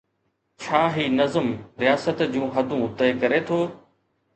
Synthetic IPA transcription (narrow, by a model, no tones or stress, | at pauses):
t͡ɕʰaːɦiːnɐzəmɾijaːsət̪d͡ʑũːɦɐd̪ʱũt̪əekɐɾet̪ʰoː